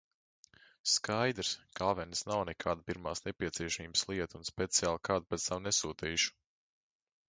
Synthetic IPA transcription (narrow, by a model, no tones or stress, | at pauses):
skajd̪ɾskaːʋɛnsnawnɛkʰaːd̪apiɾmaːsnɛpʲiɛt̪siɛʃamiːbə̥slˠiɛt̪unspet̪siaːlˠkaːd̪̚pɛt̪sawnɛsuːt̪iːʃu̥